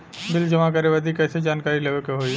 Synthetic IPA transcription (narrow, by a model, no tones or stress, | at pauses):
bɪld͡ʒəmakəɾeʋad̪ʱikɛːsed͡ʒaːnkaːɾileːʋekeɦoi